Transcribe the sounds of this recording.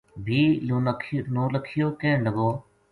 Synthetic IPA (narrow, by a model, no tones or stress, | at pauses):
bʱiːkʰnõːləkʰːɪjoːkeːɳləɡoː